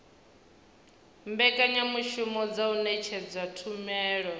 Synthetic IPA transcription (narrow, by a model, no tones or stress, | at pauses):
mbɛkʼaɲamuʃumɔd͡zaunɛt͡ʃʰɛd͡zwatʰumɛːɺɔ